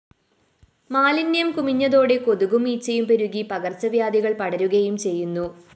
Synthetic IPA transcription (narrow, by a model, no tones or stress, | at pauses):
maːlinːjɐmkumiɲːɐðo̞ːɽe̞ko̞ðuɣumiːt͡ɕːɐjumpeɾuɣipɐɣɐrt͡ɕɐʋjaːd̪iɣɐɭpɐɽɐɾuɣɐjumt͡ɕe̞jːunːu